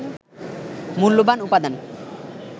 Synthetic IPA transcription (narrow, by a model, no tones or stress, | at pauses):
mulːubanupad̪an